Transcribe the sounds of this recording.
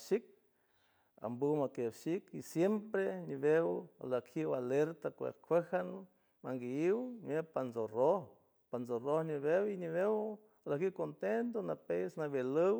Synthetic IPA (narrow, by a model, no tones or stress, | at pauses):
ʃik̚ | a̰mbuwmakebʃikisjempɾeɲiβewalakʰiwaleɾt̪akʷḛkʰʷehan | maŋɡiiwmepanzoroh | panzorohɲiβewiɲiβew | lakiwkont̪ent̪onapesnaβelɨw